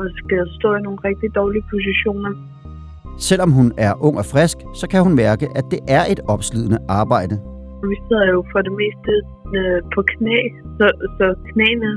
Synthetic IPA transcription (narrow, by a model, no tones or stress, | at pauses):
ɒsɡ̥æsd̥ɔ̰̽ːino̝ːn̩ʁɛɡ̥̚d̥id̥ɒːliəpʰo̝s̬iɕo̝̰ːnɐ | sel̰ɒ̽mɦunæɐʔɔ̽ŋ̰ɒ̽fʁɛsɡ̥sɒ̽kʰæhunmæɐɡ̥əʔæd̥e̝ʔæɐʔe̝d̥ɒ̽b̥sluðˠənəʔɑ̈ːb̥ɑ̈ɪ̰d̥ə | ʋiseð̰ˠɐjo̝fʁɑɾe̝me̝̰ːsd̥ə | pʰɒ̽kʰnḛː | sɒsɒ̽kʰnḛːnə